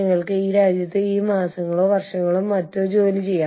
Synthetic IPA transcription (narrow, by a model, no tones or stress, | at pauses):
ɐŋːɐɭkɨiːɾaːd͡ʑjɐt̪ːɨiːmaːsɐŋːɐɭo̞ːʋɐrʂɐŋːɐɭumːɐtːot͡ɕoːlit͡ɕe̞jːaː